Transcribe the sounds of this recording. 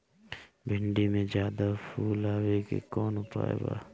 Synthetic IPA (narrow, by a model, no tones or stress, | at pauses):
bʱɪɳɖimẽzjaːd̪afʰuːlaːwekḛkɔːnʊpa̰ːḛba̰ː